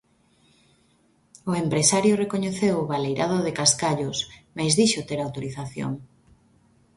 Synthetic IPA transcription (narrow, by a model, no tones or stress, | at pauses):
ʊempɾesaɾjorekoɲeθewʊβalejɾʔaðoðekaskaʎʊsmajzðiʃot̪eɾawt̪oɾiθaθjo̰ŋ